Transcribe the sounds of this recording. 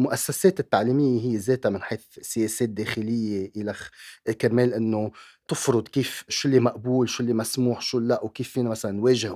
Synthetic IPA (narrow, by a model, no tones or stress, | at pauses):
lmʊʔasːaseːt̪ɪt̪ːaʕliːmɪjːeɦɪjːezeːt̪amɪnħeːθsɪjeːseːt̪̚d̪eːxɪlɪjːeʔɪlakameːlʔɪnːot̪ɪfɾʊd̪kiːfʃʊlːimaʔbuːlʃʊlːimasmuːħʃuːlːaʔwkiːfːiːnamasalanːweːʒɪh